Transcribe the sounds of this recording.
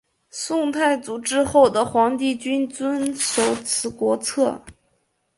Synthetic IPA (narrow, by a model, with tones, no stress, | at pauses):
sʊ˥˧ŋt̪ʰa˥˩ɪt͡su˨˩ʈ͡ʂɻ̩˥xo˥˩ʊd̪ə˩xwɑ˧˥ŋt̪i˥˩t͡ɕy˥nt͡swə˥nʂo˨˧˥ʊt͡sʰɹ̩˧˥kwɔ˧˥t͡sʰɤ˥˩